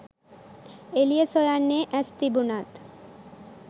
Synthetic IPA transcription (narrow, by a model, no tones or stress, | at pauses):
eliesojanːeʔɛst̪ibunat̪